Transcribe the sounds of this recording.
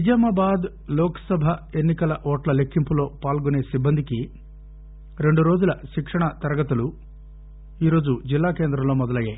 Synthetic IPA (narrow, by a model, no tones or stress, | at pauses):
id͡ʒɐmaːbaːd̪ | lɔːkɐ̥sɐbʱɐenːikɐlɐʔɔːʈlɐle̞kʰːimpulo̞ːpaːlɡune̞ːsibːɐnd̪iki | ɾe̞ɳɖuɾo̞ːd͡ʒulɐʃikʂɐɳɐt̪ɐɾɐɡɐt̪ulu | iːɾo̞ːd͡ʒud͡ʒilːaːke̞ːnd̪ɾɐmlo̞ːmɔd̪ɐlɐjːaːj